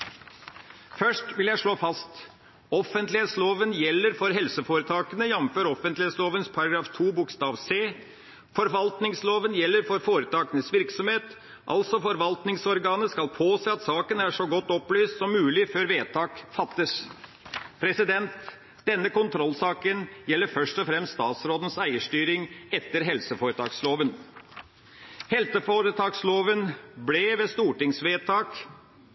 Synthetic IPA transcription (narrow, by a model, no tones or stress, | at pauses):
fœʂʈʋɪljæɪʂɭoːfɑst̪ | ɔfənt̪lɪeːt̪sloːʋənjɛlːəɾfɔɾɦɛlsəfoːɾət̪ʰɑːkənəjɛmm̩føːɾɔfənt̪lɪet̪sloːʋənspʰɑɾɑɡɾɑːft̪ʰuːbʊkst̪ɑːʋseː | fɔɾʋɑlt̪nɪŋsloːʋənjɛlːəɾfɔɾfoːɾət̪ʰɑːkənəsʋɪɾksɔmheːt̪ | ʔɑ̰lsɔfɔɾʋɑlt̪nɪŋsɔɾɡɑːnəskɑlpʰoːseːɑt̪sɑːkənæʂɔɡɔt̪ːɔplyːst̪sɔmːʉːlɪføːɾʋeːt̪ʰɑːkfɑt̪ːəs | pʰɾɛsɪd̪ɛnt̪ | d̪̥ɛnːəkʊnt̪ʰɾɔlːsɑːkənjɛlːəɾfœʂʈɔfɾɛmst̪st̪ɑːt̪sɾoːd̪ən̩sæɪəʂʈyːɾɪŋɛt̪ːəɾɦɛlsəfoːɾət̪ʰɑ̰ːksloːʋən | hɛlsəfoːɾət̪ʰɑːksloːʋənblɛʋeːst̪uːʈɪŋsʋeːt̪ʰɑːk